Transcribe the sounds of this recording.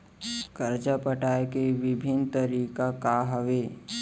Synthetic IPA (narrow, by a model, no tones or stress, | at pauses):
kəɾd͡ʒapəʈaːekeʋɪbʱɪnt̪əɾiːkakaɦəʋeː